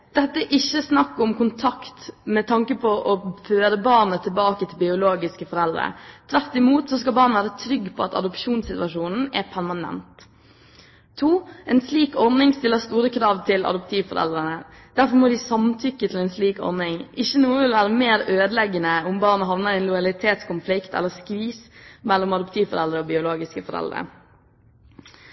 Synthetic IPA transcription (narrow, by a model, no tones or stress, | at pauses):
d̪̥ɛt̪ːəʔɪçːəsnɑkːʊmkʊnt̪ʰɑkt̪mɛt̪ʰɑŋkəpʰɔʔɔføːɾəbɑɾnət̪ʰɪlbɑːkət̪ʰɪlbɪʊloːɡɪskəfɔɾɛld̪ɾə̰t̪ʰʋæɾt̪ɪmuːt̪sɔskɑlbɑːɾnəʋæːɾət̪ʰɾʏɡːpʰɔɑt̪ɑ̰d̪ʊpʂuːnsɪt̪ʋɑʂuːnn̩ɛ̰pʰæɾmɑnɛ̰nt̪ | uːɛːnsliːkɔɾnɪŋst̪ɪlːəɾst̪uːɾəkʰɾɑːʋt̪ʰɪlɑ̰d̪ʊp̚t̪ʰiːʋfɔɾɛ̰ld̪ɾənə | d̪̥æɾfɔɾmod̪ɪsɑmt̪ʰʏkːət̪ʰɪlɛnsliːkɔ̰ɾnɪŋɪçːənuːəʋɪlʋæːɾəmeːɾøːd̪lɛɡːənəʊmbɑːɾnəɦɑʋnəɾɛnlʊjɑlɪt̪ʰeːt̪skʊnflɪkt̪ɛ̰lːəskʋiːsmɛlːɔmɑd̪ʊp̚t̪ʰiːʋfɔ̰ɾɛld̪ɾəoːbɪʊloːɡɪskəfɔɾɛ̰ld̪ɾə̰